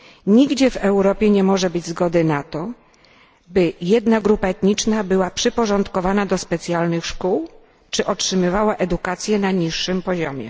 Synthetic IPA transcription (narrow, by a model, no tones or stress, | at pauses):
ɲiɡd͡ʑɛvɛwɾɔpʲjɛɲɛmɔʐɛbɘd͡ʑzɡɔd̪ɘnat̪ɔ | bɘjɛd̪naɡɾupaɛt̪ɲit͡ʂnabɘwapʂɘpɔʐɔnt̪kɔvanad̪ɔspɛt̪sʲjalnɘxʂkuw | t͡ʂɘʔɔtʂɘmɘvawaʔɛd̪ukat̪sʲjɛnaɲiʂːɘmpɔʑɔmʲjɛ̰